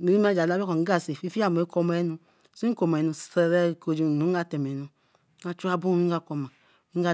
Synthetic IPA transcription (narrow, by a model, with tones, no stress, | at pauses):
ni˨ɾi˦ma˦d͡ʒa˨la˦bko˨˦ɡa˨si˨fi˦fi˦a˦˨m˨e˦kɔ˧m˦ɛ˦nu˧ | su˦ko˨m˨ɛ˨nu˧ssɛ˨ɾɛ˦˨ko˨d͡ʒi˦˨nu˨˦ɡa˦tɛ˨mɛ˨nu˨˦ | a˦t͡ʃu˦a˦bu˦i˦ɡa˦kɔ˨ma˨ | i˦ŋ˦ɡa˦˨